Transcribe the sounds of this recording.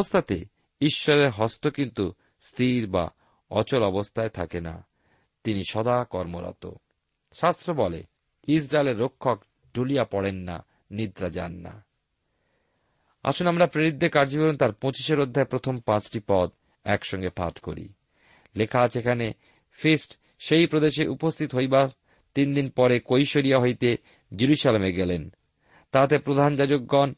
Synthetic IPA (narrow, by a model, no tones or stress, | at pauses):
ost̪ʰat̪e | iʃːɔɾeɾɦɔst̪okint̪u | st̪ʰiɾba̰ | ɔ̰t͡ɕolɔbost̪ʰaet̪ʰakena̰ | t̪iniʃɔd̪akɔɾmoɾa̰t̪o̰ | ʃast̪ɾobɔlḛ | is̬ɾaeleɾːokʰːok | ɖulijapɔɽenːa̰ | nid̪ɾad͡ʑa̰nːa̰ | a̰ʃunamɾapɾeɾid̪ʱːekaɾd͡ʑikoɾont̪aɾpõt͡ɕiʃeɾod̪ʱːaepɾot̪ʰompãt͡ɕʈipɔd̪ | ɛkʃɔŋɡepʰa̰ʈko̰ɾḭ | lekʰat͡ɕʰekʰane | fʰisʈ | ʃejpɾod̪eʃeʔupost̪ʰit̪oɦojbaɾ | t̪ind̪inpɔɾekojʃoɾijaɦojt̪e | d͡ʑiɾuʃalemeɡɛlen | t̪at̪epɾod̪ʱand͡ʑad͡ʑokɡɔn